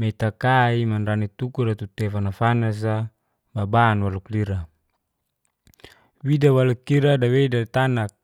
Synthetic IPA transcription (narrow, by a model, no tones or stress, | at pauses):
mɛt̪akaimanranit̪ukuɾat̪ut̪ɛfanafanas̬a | babanwalukliɾa | widawalukːiɾadawedat̪anak̚